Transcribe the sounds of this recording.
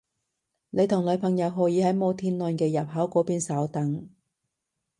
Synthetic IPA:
ne˨˧jt̪ʰʊ˨˩ŋlɵ˨˧ɥpʰɐ˨˩ŋjɐ˨˧wɦɔː˨˧jiː˨˥hɐ˨˥jmo˨˧t̪ʰiː˧nlɔː˨˧nkɛː˧jɐ˨˩p̚ɦɐː˨˥wkʷɔː˨˥piː˧nsɐ˨˥wt̪ɐ˨˥ŋ

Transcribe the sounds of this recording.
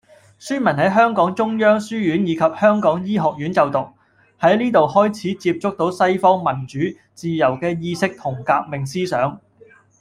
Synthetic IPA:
syː˥nmɐ˨˩nhɐ˨˥jɦœː˥ŋkɔː˨˥ŋt͡sʊ˥ŋjœː˥ŋsyː˥jyː˨˥njiː˨˧kʰɐ˨p̚hœː˥ŋkɔː˨˥ŋjiː˥ɦɔː˨k̚jyː˨˥nt͡sɐ˨wt̪ʊ˨k̚ | hɐ˨˥jniː˥t̪o˨whɔː˥jt͡sʰiː˨˥t͡siː˧p̚t͡sʊ˥k̚t̪o˨˥wsɐ˥jfɔː˥ŋmɐ˨˩nt͡ʃyː˨˥ | t͡siː˨jɐ˨˩wkɛː˧jiː˥˧sɪ˥k̚t̪ʰʊ˨˩ŋkaː˧k̚mɪ˨ŋsiː˥sœː˨˥ŋ

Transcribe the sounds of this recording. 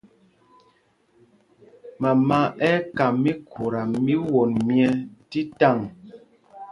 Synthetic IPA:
ma˨ma˦˨ʔɛ˦ka˨mi˦kʰu˨ɾa˨mi˦wo˨nmjɛ˦ti˦ta˦˨ŋ

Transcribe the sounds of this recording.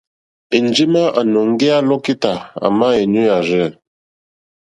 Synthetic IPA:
e˨n˨˦d͡ʒi˦ma˦ʔa˨no˨ŋ˦ɡe˦a˦lɔ˦ki˦ta˨a̰˨ma˦e˨nu˦a˨ɾɛ˦˨

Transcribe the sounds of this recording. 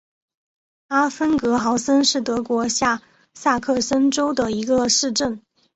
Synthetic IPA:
a˥fə˥nkɤ˧˥xɑ˧˥ʊsə˥nʂɻ̩˥˩t̪ɤ˧˥kwɔ˧˥ɕja˥˧ | sa˥˧kʰɤ˥˩sə˥nʈ͡ʂo˥ʊd̪ə˨i˧˥ɡə˧ʂɻ̩˥˧ʈ͡ʂə˥˩n

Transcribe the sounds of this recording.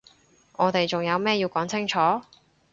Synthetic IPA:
ŋɔː˨˧t̪e˨˩jt͡sʊ˨ŋjɐ˨˧wmɛː˥jiː˧wkɔː˨˥ŋt͡sʰɪ˥ŋt͡ʃʰɔː˨˥

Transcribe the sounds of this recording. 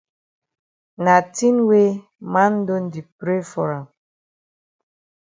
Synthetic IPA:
na˨ti˦nwe˦ | ma˦n̩˦do˦n̩˦di˨pɾe˦fɔ˨ɾa˨m

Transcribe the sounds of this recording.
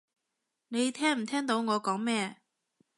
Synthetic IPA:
ne˨˧jt̪ʰɛː˥ŋm̩˨˩t̪ʰɛː˥ŋt̪o˨˧wŋɔː˨˧kɔː˨˥ŋmɛː˥

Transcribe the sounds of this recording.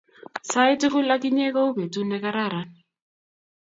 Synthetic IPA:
sa˦i˦tɪ˦kʊ˦la˦ki˦ɲɛ˦kɔ˦u˦be˨tu˦nɛ˦ka˦ɾa˦˨ɾa˨

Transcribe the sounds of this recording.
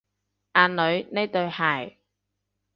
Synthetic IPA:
ʔaː˨˧nlɵ˨˧ɥne˥jt̪ɵ˧ɥhaː˨˩j

